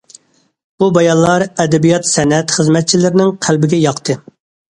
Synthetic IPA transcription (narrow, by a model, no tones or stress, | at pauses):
b̥ubɛjɑnlːˠɑɾɛd̪ɛbijɑt̪sɛnɛt̪χəzmɛt̪̚t͡ʃʰilɪɾɪnɪŋqʰælbɪɡʲɛjɑqt̪ʰɨ